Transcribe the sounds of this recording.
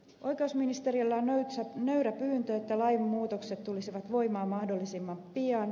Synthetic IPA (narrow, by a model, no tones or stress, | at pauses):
ʔoikeusminist̪eɾiilːɑnøysnøyɾæpyːnt̪øet̪ːælɑjmmuːt̪okset̪t̪ːulisiʋɑt̪ʋo̞imɑːmɑhdolːisimːɑmppiɑn